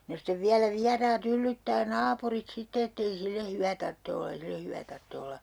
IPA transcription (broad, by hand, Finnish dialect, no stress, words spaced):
no steʋ ʋiælæ ʋiɑrɑːt ylːytːæː nɑːpurit sitːe etːei silːe hyʋæ tɑrtːe olːɑ ei silːe hyʋæ tɑrtːe olːɑ